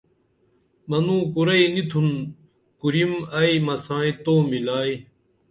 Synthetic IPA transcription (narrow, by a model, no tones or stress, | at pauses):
mɐnũːkuɾɐinit̪ʰun | kuɾimɐimɐsãːĩt̪oːmilaːi